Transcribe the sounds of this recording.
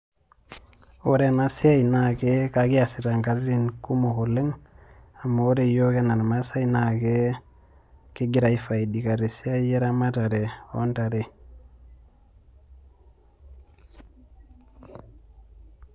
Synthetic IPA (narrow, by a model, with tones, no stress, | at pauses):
o˦ɾe˦na˨si˦a˦jinake˦ka˨ɡi˦a˨si˨ɾa˨ŋɡa˨ɾɾi˦nku˦mo˨ko˨lːe˦ŋ | a˨mːa˨o˦ɾe˨jo˦ke˦na˨n˨ma˦sa˦inake˦ | ki˦ɡi˨ɾa˨ifa˨i˨di˨ka˨ɾe˨si˦a˦ije˦ɾa˦ma˦ta˨ɾe˨o˦nta˨ɾe˨